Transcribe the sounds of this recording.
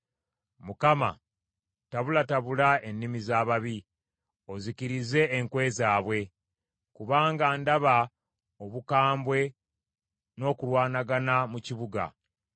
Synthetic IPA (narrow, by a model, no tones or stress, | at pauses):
mukama̰ | taβulataβulae̞nːimizaːβaβi | o̞ziciɾize̞ːŋkwe̞zaːβwe̞ | kuβaːŋɡaːndaβa | o̞βukaːmbwe̞ | no̞ːkulwaːnaɡanamuciβuɡa̰